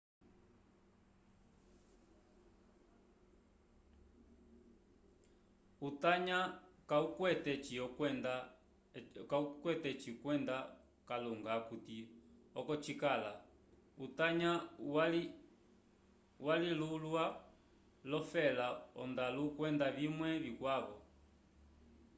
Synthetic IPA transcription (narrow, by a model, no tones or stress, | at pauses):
utaɲakaukwɛtɛt͡ʃiɔɛnda | kaukwɛtɛt͡ʃikwɛnda | kaluŋɡakutiɔkɔt͡ʃikala | utaɲawl | walilulwa | lɔfɛlaɔ̰ndalukwɛndaβimwɛβikwaβɔ